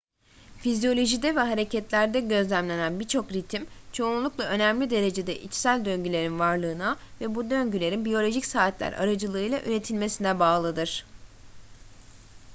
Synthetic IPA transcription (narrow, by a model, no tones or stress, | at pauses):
fizijo̞lʲo̞ʒid̪ɛvɛɦaɾe̞cʰɛt̪lʲæɾd̪ɛɟø̞zlʲæmlʲe̞nænbiɾt͡ʃʰo̞kɾit̪ʰimt͡ʃʰo̞unˠulˠuklˠaø̞næmlʲid̪e̞ɾe̞d͡ʒe̞d̪ɛʔit͡ʃsælʲd̪ø̞ɲɟylʲe̞ɾinvaɾlˠɯːnavɛbud̪ø̞ɲɟylʲe̞ɾinbijo̞lʲo̞ʒicsaːt̪lʲæ̰ɾa̰ɾad͡ʒɯlˠɯɯjlˠaʔøɾe̞t̪ʰilʲme̞sinɛbaːlˠɯd̪ɯɾ̥